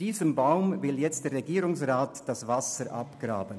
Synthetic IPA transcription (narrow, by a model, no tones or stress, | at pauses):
d̥iːzəmbaʊmvɪljɛt͡std̥eːɾʁeɡiːɾʊŋsʁaːtd̥asvasəɾʔa̰pɡ̥ɾa̰ːbən